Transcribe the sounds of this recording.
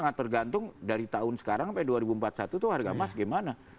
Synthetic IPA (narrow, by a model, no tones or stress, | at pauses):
aŋat̪ːərɡant̪ʊŋdaɾit̪aʊnsə̥kaɾaŋpɛduaɾibuəmpat̪̚sat̪ut̪uharɡamasɡajmana